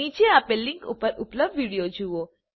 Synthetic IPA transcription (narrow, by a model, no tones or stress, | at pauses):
ĩt͡ʃeapelːiŋkṵpəɾupləb̚d̪ʋiɽijod͡ʒuʋo